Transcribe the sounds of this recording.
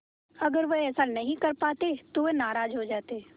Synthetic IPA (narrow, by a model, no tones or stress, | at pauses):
ɐɡəɾʋeɛːsanɐɦĩkɐɾpaːt̪et̪oʋenaːɾaːd͡ʒɦod͡ʒaːt̪e